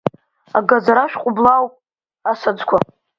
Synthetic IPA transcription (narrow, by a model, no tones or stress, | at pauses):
a̰ɡad͡zaɾaʃᶣqʷʼʊblawpʼ | asad͡zkʷʰa